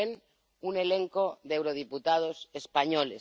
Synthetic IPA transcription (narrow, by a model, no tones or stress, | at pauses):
el | une̞lẽŋkoðewɾoð̞iput̪að̞osespaɲolḛ